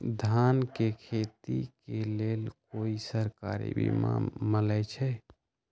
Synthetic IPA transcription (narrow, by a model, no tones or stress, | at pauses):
d̪ʱankekʰet̪ikelelkoisəɾka̰ɾḭbḭma̰mələjt͡ʃʰɛ